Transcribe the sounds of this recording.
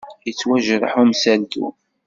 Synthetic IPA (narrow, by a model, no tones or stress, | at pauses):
jət͡sːwæʒɾˤə̰ħumsælt̪ṵ